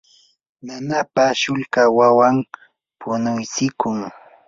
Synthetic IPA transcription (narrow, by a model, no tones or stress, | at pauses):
nanapaʃʊlkawawam | pʊnʊjt͡sɪkʊŋ